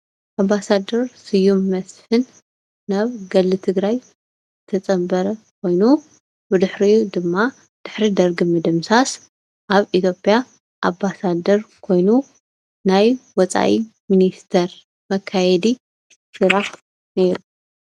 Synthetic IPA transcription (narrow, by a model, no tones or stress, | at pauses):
ʔambasad̪ɐɾsɨjumːɐsħɨnː | aβɡɐlːɨt̪ʰɨɡɾaj | zɨt̪ʰɐt͡sʼɐmbɐɾɐkʰo̞jnu | bɨd̪ɨħɾijud̪ɨmːa | d̪̥ɨħɾid̪ɐɾɡɨmɐd̪ɐmsas | ʔaβit̪ʰjo̞pʼja | ʔambasad̪ɐɾkʰo̞jnu | najwɔt͡sʼa̰ʔiminist̪ʰɐɾ | mɐkʰːajɛd̪i | sɨɾaħ | ne̞ɾu